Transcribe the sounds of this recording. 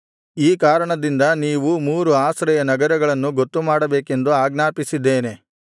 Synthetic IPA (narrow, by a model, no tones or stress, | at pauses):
iːkaːɾɐɳɐd̪ind̪ɐniːʋumuːɾuaːsɾɐjɐnɐɡɐɾɐɡɐɭɐnːuɡot̪ːumaːɽɐbeːke̞nd̪uaːɡnaːpisid̪ːeːne̞